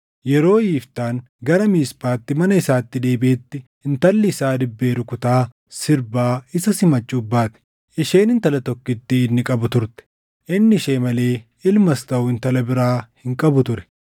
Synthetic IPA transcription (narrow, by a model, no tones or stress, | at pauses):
jɛɾo̞ːjiːft̪aːŋ | ɡɐɾɐmiːspaːt̪ːɪmɐnɐɪsaːt̪ːɪd̪e̞ːbɪeːt̪ːɪ | ɪnt̪ɐlːɪːsaːd̪ɪbːe̞ːɾʊkʊt̪aː | sɪɾbaːɪsɐsɪmɐt͡ʃʼːʊbːaːt̪ɛ̥ | ʔɪʃe̞ːnɪnt̪ɐlɐt̪ɔkːɪt̪ːɪːnːɪkʼɐbʊt̪ʊɾt̪ɛ̥ | ʔɪnːɪʃe̞ːmɐle̞ː | ɪlmɐst̪ɐʔʊɪnt̪ɐlɐbɪɾaːhɪŋkʼɐbʊt̪ʊɾɛ̥